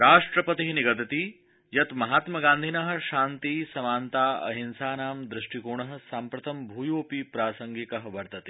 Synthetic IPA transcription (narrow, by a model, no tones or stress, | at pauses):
ɾaːʂʈɾɐpɐt̪iɦniɡɐt̪ɐt̪i | jɐt̪mɐɦaːt̪mɐɡaːnd̪ʱinɐɦɐ̆ʃaːnt̪isɐmaːnt̪aːɐ̰ɦinsaːnaːmd̪ɾɪʂʈikuːɳɐɦɐ̆saːmpɾɐt̪ʰɐmbʱuːjoːpipɾaːsɐŋɡikɐɦɐʋɐɾt̪ɐt̪i̥